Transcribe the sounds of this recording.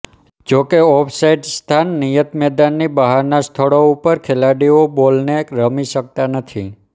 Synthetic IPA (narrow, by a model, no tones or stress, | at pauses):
d͡ʒokeɔpʰsaiɖst̪ʰanːijət̪mɛd̪anːibəɦaɾnast̪ʰəɭoupəɾkʰelaɽiobolneɾəmiʃək̚t̪anət̪ʰi